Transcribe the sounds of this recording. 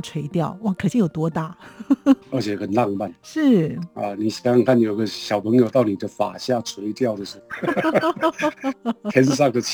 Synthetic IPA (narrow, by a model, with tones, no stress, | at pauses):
ʈ͡ʂʰwe˧˥ɪt̪jɑ˥˩ʊwa˥˩kʰɤ˨˩t͡ɕ̪i˥˧jo˨˩ʊt̪wɔ˥t̪a˥˩ | ə˞˧˥t͡ɕʰjɛ˧xə˨˩nlɑ˥˧ŋpa˥˩nʂɻ̩˥˩a̰˧ni˨˩ɕi˨˩a˥˧ŋkʰa˥˩njo˨˩i˧˥ɡə˧ɕjɑ˨˩ʊpʰə˧˥ŋjo˨˧ʊt̪ɑ˥˩ʊni˨˩d̪ə˦fa̰˨˩ɕja˥˩t͡sʰwe˧˥ɪt̪jɑ˥˩ʊd̪ə˩ʂɻ̩˧˥˧ | jɛ˥nʂ̬ɑ˥˩ŋd̪ə˨t͡ɕʰ